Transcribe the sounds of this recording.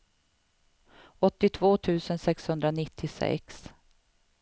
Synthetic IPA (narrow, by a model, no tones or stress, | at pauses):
ɔt̪ːɪt̪ʰvoːt̪ʰʉ̟ːsənsɛkshɵnd̪ɾanɪt̪ʰːɪsɛ̰ks